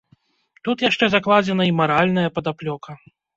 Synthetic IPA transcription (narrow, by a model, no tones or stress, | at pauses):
t̪ut̪jaʂt͡ʂɛzaklˠad͡zʲɛnɐimaɾalʲnɐjɐpɐd̪aplʲɔkʰɐ